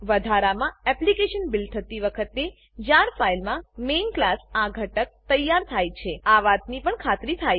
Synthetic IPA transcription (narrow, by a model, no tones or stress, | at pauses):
ʋəd̪ʱaɾamãɛplikeʃənbilt̪ʰət̪iʋəkʰət̪e | d͡ʒaɾfailmãmenklasaɡʱəʈək̚t̪əjaɾt̪ʰajt͡ʃʰeaʋat̪nipəɳkʰat̪ɾit̪ʰaj